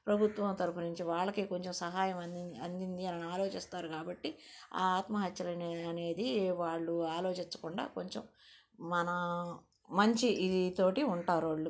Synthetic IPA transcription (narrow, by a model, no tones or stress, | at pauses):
pɾɐbʱut̪ʋɐmt̪ɐɾupunuɲt͡ʃiʋaːɭːɐkiːko̞ɲt͡ʃemsɐɦaːjɐmɐɐnd̪ind̪iɐnɐniaːlo̞ːt͡ʃist̪aːɾukaːbɐʈːia̰aːt̪mɐɦɐt̪jɐlɐnɐne̞ːd̪iʋaːɭːuaːlo̞ːt͡ʃiɲt͡ʃːɐ̥kuɳɖa̰ːko̞ɲt͡ʃemː | ɐnɐ | mɐɲt͡ʃiʔid̪it̪o̞ːʈiuɳʈaːɾaːɭːu